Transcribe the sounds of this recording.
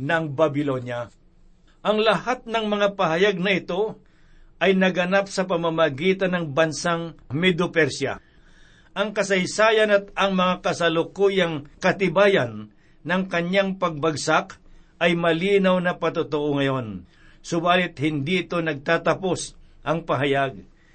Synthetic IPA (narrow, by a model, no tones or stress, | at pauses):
nɐŋbɐbɪlo̞nja | ʔɐŋlɐhat̪̚nɐŋmɐŋapɐɦɐjaɡ̚nɐɪt̪o̞ | ʔɐjnɐɡɐnap̚sɐp̬ɐmamɐɡiːt̪ɐnːɐŋbɐnsaŋmɛd̪ʊpɛɾsja̰ | ʔɐŋkɐsɐjsaːjɐnɐt̪̚ɐŋmɐŋakɐsɐlʊkuːjɐŋkɐt̪ɪbaːjɐnː | ɐŋkɐɲaŋpɐɡ̚bɐɡsakʔɐjmɐliːnɐwnɐpɐt̪ʊt̪oʔoŋɐjo̞n | sʊbaːlɪt̪̚hɪnd̪iɪt̪o̞nɐɡ̚t̪at̪ɐpo̞sʔɐŋpɐɦɐjaɡ̚